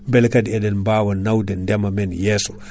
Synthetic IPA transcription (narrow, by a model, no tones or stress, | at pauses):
mbɛlkadiɛdɛnmbaːwanawdɛndɛmamɛnjɛːsɔ̥